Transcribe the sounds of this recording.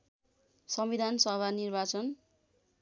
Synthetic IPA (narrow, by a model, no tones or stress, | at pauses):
sʌmbid̪ʱansʌbanirbat͡sʌn